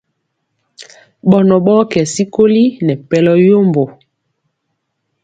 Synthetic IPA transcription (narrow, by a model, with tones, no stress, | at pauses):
ɓɔ˨nɔ˨ɓɔ˦kɛ˨si˦ko˦li˦nɛ˨pɛ˦lɔ˦jo˦mbo˨